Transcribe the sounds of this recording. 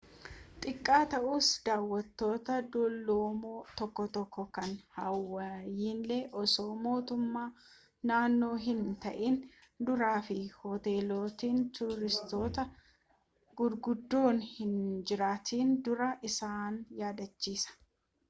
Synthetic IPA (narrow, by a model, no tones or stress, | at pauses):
t̪ʼɪkʼːaːt̪ɐʔuːsd̪aːwːɐt̪ːo̞ːt̪ɐd̪ɔlːoːmoːt̪ɔkːɔt̪ɔkːɔkɐnhɐwːɐjiːnlɛʔɔso̞ːmo̞ːt̪ʊmːaː | naːnːo̞ːɦɪnt̪ɐ̰ʔiːn | d̪ʊɾaːfɪhɔt̪e̞ːloːt̪iːnt̪ʊɾɪst̪o̞ːt̪ɐ | ɡʊɾɡʊd̪ːo̞ːnhɪnd͡ʒɪɾaːt̪ʰiːnd̪ʊɾɐʔɪsaːnjaːd̪ɐt͡ʃːiːsɐ̥